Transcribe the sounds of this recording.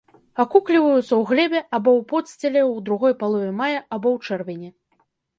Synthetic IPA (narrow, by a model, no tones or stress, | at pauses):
akuklʲivɐjut̪sɐwɣlʲɛbʲɛʔabɔwpɔt̪sʲt͡sʲɛlʲɛwd̪ɾuɣɔjpalˠɔvʲɛmajɐabɔwt͡ʂɛrvʲɛnʲɛ